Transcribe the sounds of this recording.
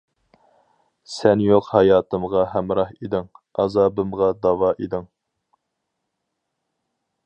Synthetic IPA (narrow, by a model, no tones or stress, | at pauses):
sɛnjoqhɑjɑːt̪ɨmʁɑɦæmɾɑhid̪ɪŋɑzɑːbɨmʁɑd̪ɑwɑʔed̪ɪŋ